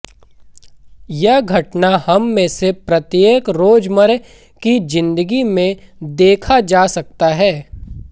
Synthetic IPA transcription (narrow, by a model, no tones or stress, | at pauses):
jɐɦɡʱɐʈnahɐmːẽsepɾɐt̪jeːkɾoːd͡ʒməɾ | kid͡ʒɪ̃nd̪əɡimẽd̪eːkʰad͡ʒaːsɐk̚t̪aɦɛː